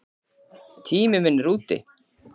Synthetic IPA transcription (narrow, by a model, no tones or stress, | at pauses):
t̪ʰiːmɪmɪnːɾuːt̪ɪ̰